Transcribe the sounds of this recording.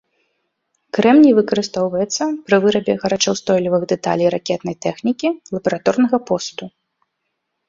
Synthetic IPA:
kɾɛmnʲivɨkɐɾɨst̪ɔwvɐjɛt̪sːɐpɾɨvɨɾɐbʲɛɣɐɾat͡ʂɐwst̪ɔjlʲivɨɣd̪ɛt̪a̰lʲijɾakʲɛt̪nɐjt̪ɛxnʲikʲilˠɐbɐɾat̪ɔrnɐɣɐpɔst̪u

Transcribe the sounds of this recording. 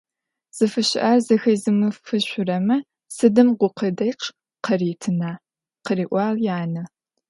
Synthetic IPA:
z̥ɨfɨɕɪʔarzɐxɐjzɨmɨfɨɕʷʊrɐmɐ | sɨdɨmʁʷʊqʰədɐjq | qɐriːtʰɨnaː | qəriːʔʷɑːljaːnɐ

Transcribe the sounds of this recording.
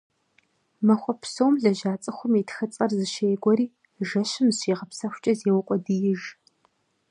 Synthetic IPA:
mɐxʷɔpsowmɮɐʒaːt͡sʼɨxʷʊmitxɨt͡sʼɐrzɨʃeːɡʷɔɾiː | ʒɐɕɪmɕiːʁɐpsɐxʷʊt͡ʃʼɐzeːwʊqʷʼɔdijɪʒ

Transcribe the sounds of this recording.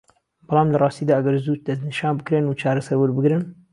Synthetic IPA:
bɑlˠɑːmlɨrˤɑːst̪iːd̪aːaɡɐɾzuːt͡ʃ̚d̪ɐznɨʃɑːnbɨkɾenut͡ʃʰɑːɾasɛɾwuɾbɨɡɾɨn

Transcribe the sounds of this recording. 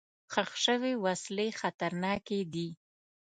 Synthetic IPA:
xaxʃəwewaslexat̪aɾnɑked̪i

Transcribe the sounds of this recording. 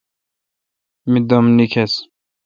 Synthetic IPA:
mid̪ɔmnikʰes

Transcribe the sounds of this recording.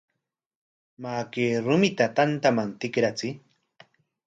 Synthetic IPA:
maːkeːɾʊmɪt̪at̪ant̪amant̪ɪkɾat͡sɪ

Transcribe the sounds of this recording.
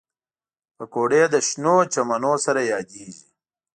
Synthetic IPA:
pəkoɖed̪əʃnot͡ʃamanosaɾajɑːd̪eʒi

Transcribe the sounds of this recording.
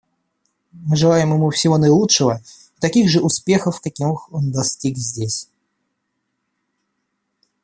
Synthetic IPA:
mɨʐɨlˠajɪmjɪmufsʲɪvo̞nəjɪlˠutʂɨvə | t̪ɐkʲiɣʐɨʔʊspʲexəfkɐkʲimɨxo̞nd̪ɐsʲtʲikzʲdʲesʲ

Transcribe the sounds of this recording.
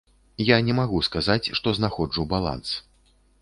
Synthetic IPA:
janʲɛmaɣuskazat͡sʲʂt̪ɔznaxɔd͡ʐubalˠa̰ns

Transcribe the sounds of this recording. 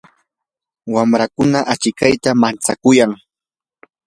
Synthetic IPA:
wamɾakʊnaʔat͡ʃɪkajt̪amant͡sakʊjaŋ

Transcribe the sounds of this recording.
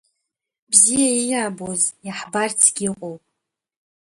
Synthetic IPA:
bzijaijaːbozjaħbart͡sʰɡʲiqʷʼowpʼ

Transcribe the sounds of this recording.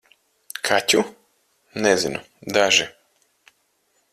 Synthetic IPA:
kʰatʲu | nɛzinu | d̪aʒi

